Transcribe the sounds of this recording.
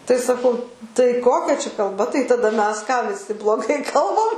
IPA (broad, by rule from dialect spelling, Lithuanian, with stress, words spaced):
tɐɪ sɐˈkɐʊ tɐɪ ˈkoːkʲɛ t͡ʃʲɛ kɐlˠˈbɐ tɐɪ tɐˈdɐ ˈmʲɛs kɑː ʋʲɪˈsʲɪ blˠoːˈɡɐɪ ˈkɐlˠbɐm